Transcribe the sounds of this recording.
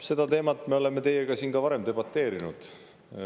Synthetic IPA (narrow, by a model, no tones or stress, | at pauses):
se̞d̪̥ɑt̪e̞ːmɑt̪ːˑme̞o̞le̞mːet̪e̞jeɡ̥ɑsiːnɡɑvɑɾe̞mt̪e̞bɑt̪ːe̞ːɾinṵd̪̥